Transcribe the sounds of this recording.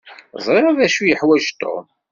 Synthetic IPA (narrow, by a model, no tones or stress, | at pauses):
zˤɾeɾˤæðæʃujəħwæʒt̪o̰m